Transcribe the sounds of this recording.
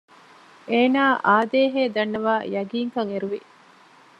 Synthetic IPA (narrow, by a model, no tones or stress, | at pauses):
ʔeːnaːʔaːd̪eːɦeːd̪ɐnːɐʋaːjɐɡiːŋkɐŋeɾuʋi